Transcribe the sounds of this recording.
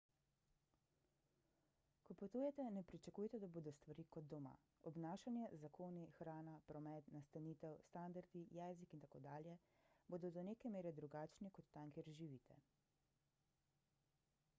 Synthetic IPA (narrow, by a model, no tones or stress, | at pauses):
kɔpot̪ujɛt̪ɛnɛpɾit͡ʃakuːjt̪ɛd̪aboːd̪ɔst̪ʋaɾiːkɔd̪̚dːɔma̰ | ɔbnaːʃanjɛzakoːnixɾaːnapɾɔmɛt̪nast̪aniːt̪ɛwst̪and̪aɾd̪ijɛːzikint̪akoːd̪aːljɛ | boːd̪ɔd̪ɔneːkɛmeːɾɛd̪ɾuɡaːt͡ʃnikɔt̪ːaŋkeɾʒiʋiːt̪ʰɛ̰